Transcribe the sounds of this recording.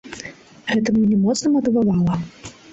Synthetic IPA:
ɣɛt̪ɐmɲʲɛnʲɛmɔt̪snɐmɐt̪ɨvavalˠɐ

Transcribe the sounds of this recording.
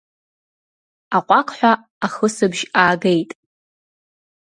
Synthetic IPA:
aqʷʼakʰħʷa | aχəsɨbʒaːɡejtʼ

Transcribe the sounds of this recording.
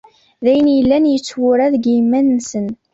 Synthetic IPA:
ðæjənjəlːænjət͡sːwʊɾæðɡjimːænːsən

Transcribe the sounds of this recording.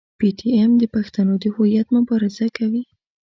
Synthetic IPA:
piʈʰiemd̪əpaxt̪anod̪əhʊjat̪mʊbɑɾɪzakawi

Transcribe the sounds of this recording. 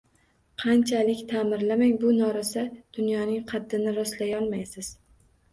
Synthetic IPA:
qʰɑnt͡ʃʰalɪkʲt̪ʰamɪɾlamaŋbʊnɒɾɪsad̪̥ʊnjɒnɪŋqʰɑd̪ːɪnɪɾɒslajɒlˠmajsɪz̥

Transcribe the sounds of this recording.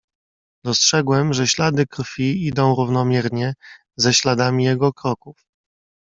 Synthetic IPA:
d̪ɔstʂɛɡwɛmʐɛɕlad̪ɘkɾfʲiid̪ɔ̃w̃ɾuvnɔmʲjɛɾɲɛ | zɛɕlad̪amʲijɛɡɔkɾɔkuf

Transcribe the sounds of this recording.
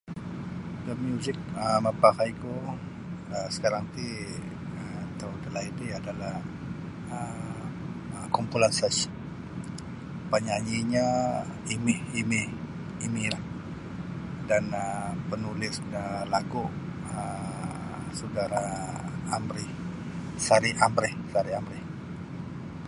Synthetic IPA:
dəmjuzɪk̚əmapakaiko | əsə̥kaɾaŋt̪i | ət̪adəlait̪iadalah | ə | kɔmpulasas | paɲaɲiɲa | imɪhimɪh | imilah | danəpənulɪsəlaɡuʔ | ə | sədaɾaː | mɾɪh | saɾiʔamɾɪhsaɾiamɾɪh

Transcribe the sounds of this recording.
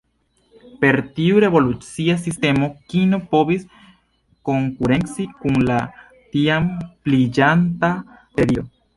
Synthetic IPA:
peɾt̪iuɾeβo̞lut͡siasist̪emokinopoβis | ko̞ŋkuɾe̞ŋsikuŋla | t̪iamplid͡ʒant̪a | seɾio̰

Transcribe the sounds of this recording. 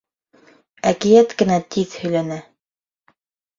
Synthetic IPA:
ækĭjæt̪kɘ̆næt̪ʰiðhɵ̆jlænæ

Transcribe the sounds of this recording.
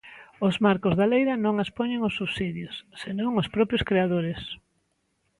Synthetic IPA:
ozmaɾkʊzðalejɾɐnõŋaspoɲeŋosːuβsiðjʊsːenõŋospɾɔpɾjoskɾeaðoɾes

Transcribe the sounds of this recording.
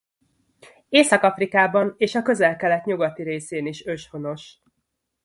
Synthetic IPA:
eːsɒkɒfrikaːbɒneːʃɒkø̞zɛlkɛlɛt̪ɲuɡɒt̪iɾeːseːniʃø̞ʃho̞no̞ʃ

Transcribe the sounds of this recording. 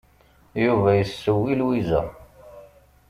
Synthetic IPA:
juvæjəsːəwːilwizæ̰

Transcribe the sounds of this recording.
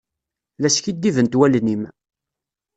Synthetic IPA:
læskid̪ːivənt̪wælnim

